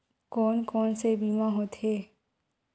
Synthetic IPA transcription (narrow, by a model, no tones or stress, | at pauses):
kɔːnkɔːnsebiːmãɦot̪ɦeː